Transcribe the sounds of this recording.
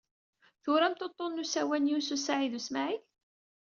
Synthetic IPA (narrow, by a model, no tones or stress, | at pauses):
θʊɾæmt̪ot̪ˤːonːusæwænjususaʕiðusmaʕiθ